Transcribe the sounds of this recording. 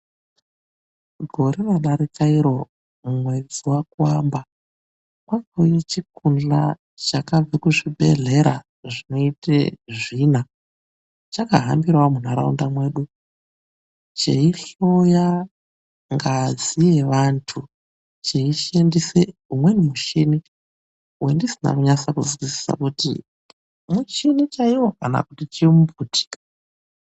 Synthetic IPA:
ɡʱo̞ɾiʋaɗaɾikaiɾo̞ | mumwe̞d͡ziwakuwaːmba | kwakojet͡ʃikund͡ɮa̰ | t͡ʃakab͡vekuʐibʱe̞̰ɮe̞ɾa̰ | ʐino̞itḛʐiːna | t͡ʃakaɦambirwamun̤aɾa̰ṵndamwe̞ːɗu | t͡ʃḛiɬo̞ja | ŋɡazijeʋantʰu | t͡ʃeiʃendiseumwe̞nimuʃini | ujendisina̰kuɲasakṵzwisi̥sa̰kutḭ | mut͡ʃinit͡ʃaiwo̞kana̰kutit͡ʃimuputi̥kḁ

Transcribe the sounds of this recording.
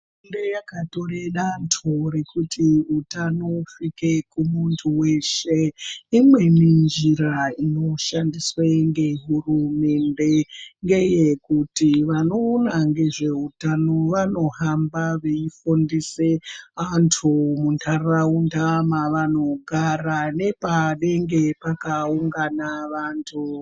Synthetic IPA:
ndejakato̞ɾeɗantʰoɾe̞kutʰiutanoufike̞kumuntʰuwe̞ʃeimwe̞nind͡ʒiɾaino̞ʃandisweŋɡe̞ɦurume̞nde̞ŋɡe̞je̞kutiʋano̞ːnaŋɡe̞ʐe̞utanoʋano̞ɦambaʋeifondiseantʰumuntʰaraundamaʋano̞ɡʱarane̞paɗe̞ŋɡe̞pakauŋɡanaʋaːntʰu

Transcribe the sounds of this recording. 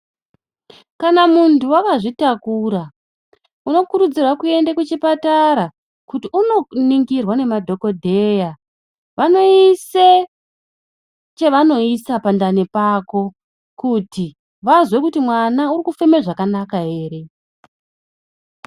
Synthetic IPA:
kanamuntʰuwakaʐitakuɾa | uno̞kuɾud͡zirwakue̞ndekut͡ʃipataɾa | kutiuno̞niŋɡirwane̞madʱo̞ko̞dʱe̞ja | ʋano̞ise | t͡ʃe̞ʋano̞isapandanepako̞ | kuti | ʋazwe̞kutimwanaurikufemeʐakanakaɦe̞ːɾe̞

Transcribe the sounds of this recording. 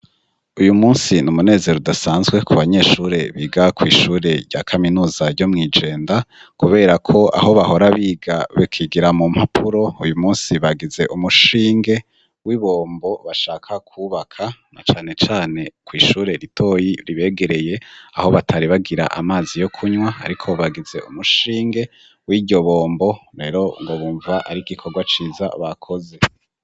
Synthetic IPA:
ujumuːnsinumune̞ːze̞ɾodasaːnzɡwe̞kʰuβaɲe̞ːʃuːɾe̞βiːɡakwiːʃuːɾe̞ɾɟakʰaminuːzaɾɟo̞mŋiːd͡ʒe̞ːndakuβe̞ːɾakʰo̞a̰ɦo̞βaho̞ɾaβiːɡaβekʰiɡiɾamum̥hapʰuɾo̞ujumuːnsiβaɡize̞ʔumuʃiːŋɡe̞ | wiβo̞ːmbo̞βaʃaːkʰakʰuβakʰana̰t͡ʃaːne̞t͡ʃaːne̞kwiːʃuːɾe̞ɾitʰo̞jiɾiβe̞ːɡe̞ɾe̞je̞aho̞βatʰaɾiβaɡiɾa̰ʔa̰maːzijo̞kʰuɲwaa̰ɾikʰo̞βaɡize̞̰umuʃiːŋɡe̞ | wiːɟo̞βo̞ːmbo̞ɾe̞ːɾo̞ŋɡo̞βuːɱvaʔaɾiɡikʰo̞ɡwat͡ʃiːza̰βakʰo̞ze̞

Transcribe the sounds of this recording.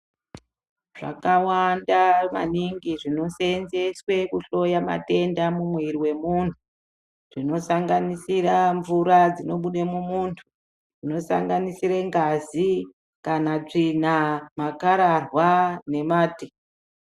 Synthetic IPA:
ʐa̰kawandama̰niŋɡiʐino̞senze̞swe̞kuɬo̞jama̰te̞ndamumweɾiwe̞muntʰu | ʐ̥ino̞saŋɡanisiraɱvuɾad͡zino̞ɓuɗemumuːntʰu̥ | ʐino̞sa̰ŋɡanisiɾeŋɡazi | kanat͡ʂinamakaɾarwane̞maːti

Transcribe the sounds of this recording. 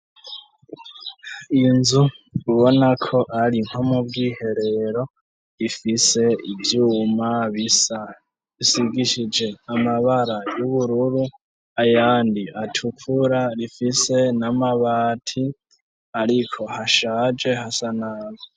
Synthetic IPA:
inzuuβo̞nakʰo̞ʔaɾiŋ̥homubɡiːhe̞ɾe̞ɾo̞ | ɾifise̞ivjuːmaβisa | βisiɡiʃid͡ʒe̞amaβaɾajuβuɾuɾu | ajaːndiatʰukʰuɾaɾifise̞namaβaːtʰi | aɾikʰo̞haʃaːd͡ʒe̞hasanaːβo

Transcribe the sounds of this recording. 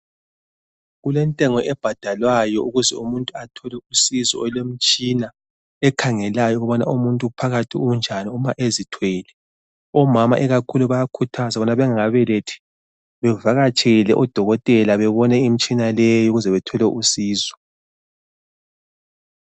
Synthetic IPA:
ɣulɛntʼɛŋɔʔɛb̥ʱad̥ʱalwajɔuɣuzɛumuntʼuatʰɔlɛusizɔ̰ɔlem̩t͡ʃʼina | ɛkʰaŋɛlajɔuɣɔβana̰umuntʼupʰaɣatʰiund͡ʒʱaniumaʔezitʰweːlɛ | ɔmamaʔɛɣakʰuluβajakʰutʰazaβɔnaβɛŋaŋaβɛletʰi̥ | βɛvaɣat͡ʃʰʼeɣilɛʔɔd̥ʱɔɣɔtʼɛlaβɛβɔnɛim̩t͡ʃʼinalɛjuɣuzɛβɛtʰɔlɛʔusiːzɔ̥

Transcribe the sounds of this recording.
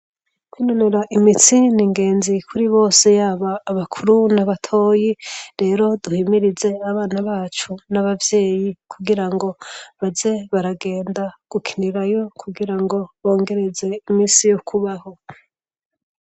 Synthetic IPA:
kwinoneɾaʔimit͡siniŋɡe̞ːnzikʰuɾiβo̞ːse̞jaːβaːβakʰuɾunaβatʰo̞ːjiɾe̞ːɾo̞duhimiɾize̞aβaːnaβaːt͡ʃunaβavje̞ːjikʰuɡiɾaŋɡo̞βaze̞βaɾaɡe̞ːndaɡ̥ukʰi̥niɾajo̞kʰuɡiɾaŋɡo̞βo̞ːŋɡe̞ɾe̞ze̞imiːsijokʰuβaho̞

